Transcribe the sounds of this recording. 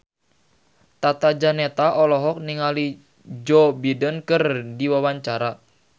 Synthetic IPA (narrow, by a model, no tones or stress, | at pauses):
t̪at̪ad͡ʒanɛt̪aʔɔlɔɦɔk̚niŋali | d͡ʒɔbidənkərdiwawaɲt͡ʃaɾa